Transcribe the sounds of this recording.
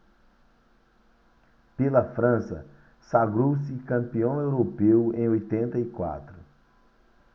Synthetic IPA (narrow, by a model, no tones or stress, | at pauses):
pelɐfɾɐ̃sɐ̰ | saɡɾowsikɐ̃mpiõw̃ewɾopewẽj̃ojt̪ẽnt̪ɐikwa̰t̪ɾu